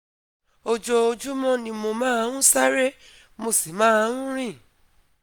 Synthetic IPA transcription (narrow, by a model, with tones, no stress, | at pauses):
o˧d͡ʒo˧o˧d͡ʒu˦mɔ̃˦nĩ˧mo˧mãː˦˧˦ũ˦sa˦ɾe˦ | mo˧si˨mãː˨˦˧ɾũ˦ɾ̃ĩ˦˨